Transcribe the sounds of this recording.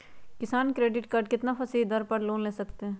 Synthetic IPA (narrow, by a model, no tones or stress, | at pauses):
kɪsaːnkɾeːɖɪʈkaːɾɖkɪt̪nafʰəsiɦd̪əɾpəɾloːnleːsəkt̪eɦɛ̃ː